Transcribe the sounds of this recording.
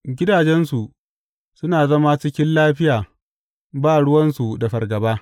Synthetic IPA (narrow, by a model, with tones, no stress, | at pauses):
ɡʲɪ˦daː˨d͡ʒɛ˦nsu˨ʔ | sʊ˦naː˨zɐ˦ma˦t͡ʃɪ˦kʲɪ˦nlaː˦ɸɪ˦jaː˨ | baː˦˨ɽʊ˦wɐ˦nsu˨da˨ɸɐ˨rɡɐ˨baː˦